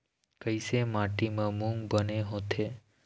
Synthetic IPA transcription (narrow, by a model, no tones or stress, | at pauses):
kəjsemaʈimãmũŋɡbəneɦõt̪ʰe